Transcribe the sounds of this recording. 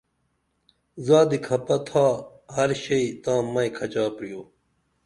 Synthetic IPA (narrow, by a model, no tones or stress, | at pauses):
zaːd̪ikʰɐpɐt̪ʰaː | hɐɾɕɐit̪ãːmɐĩkʰɐt͡ɕaːpɾijoː